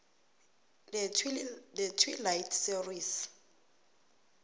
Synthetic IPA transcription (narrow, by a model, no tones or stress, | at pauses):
dɛtʰwilajtʰsiris